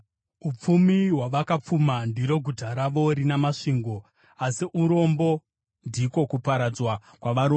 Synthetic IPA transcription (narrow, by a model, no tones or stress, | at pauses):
up͡fumiɦwaʋakap͡fumandiɾo̞ɡʱutaɾaʋo̞ɾinamaʂiːŋɡo̞ | asiʔuɾo̞mbo̞ | ndiko̞kupaɾad͡zwa | kwaʋaɾo